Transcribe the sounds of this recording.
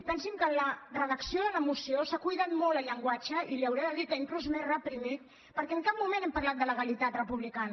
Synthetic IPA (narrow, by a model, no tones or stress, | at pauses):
pɛnsimkənlərəðəksioðələmusiosakujðat̪molˠəʎəŋɡwat͡ʃəiliəwɾeðəðit̪əiŋkluzmerrəpɾimit̪̚ | pəɾkɛəŋkap̚mumẽnɛmpɐrlat̪̚d̪ələɣəlit̪at̪rəpuβlikan